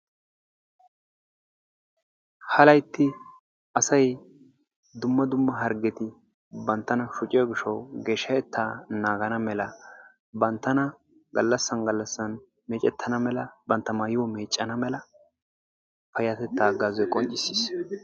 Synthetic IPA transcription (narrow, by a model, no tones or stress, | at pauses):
hɐlɐjt̪ːɪ | ʔɐsɐj | d̪ʊmːɐd̪ʊmːɐɦɐɾɡɛt̪ɪ | bɐnt̪ːɐnɐʃʊt͡ʃʼɪjɐɡɪʃɔwɡeːʃɐɛt̪ʰːaːnaːɡɐnɐmɛlɐ | bɐnt̪ːɐnɐ | ɡɐlːɐsːɐnɡɐlːɐsːɐn | meːt͡ʃʼɛt̪ʰːɐnɐmɛlɐbɐnt̪ːɐmaːjɪwɔmeːt͡ʃʼːɐnɐmɛlɐ | pɐjɐt̪ɛt̪ːaːɡaːzɔjkʼɔnt͡ʃʼːɪsːiːs